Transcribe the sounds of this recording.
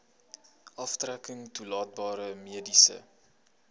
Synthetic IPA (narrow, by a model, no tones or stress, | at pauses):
ʔɐftrækəŋtulɑːt̚bɑːɾəmiədisə̰